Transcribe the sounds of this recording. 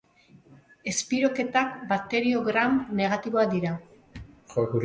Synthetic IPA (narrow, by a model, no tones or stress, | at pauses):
e̞spiɾo̞ke̞t̪akbat̪e̞ɾio̞ɣɾamne̞ɣ̞at̪iβo̞ad̪iɾa | xokuɾ